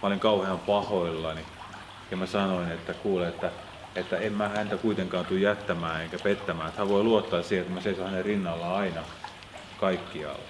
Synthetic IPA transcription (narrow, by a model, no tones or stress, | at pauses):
mæoliŋkɑuheɑmpɑhoilːɑni | jɑmæsɑnoinet̪ːækuːleet̪ːæ | et̪ːæemmæhænt̪ækuit̪eŋkɑːnt̪ujjæt̪ːæmæːeŋkæpet̪ːæmæːet̪hæʋʋoiluot̪ːɑːssihet̪ːmæseisohænerrinːɑlːɑɑinɑ | kɑikːiɑ̰l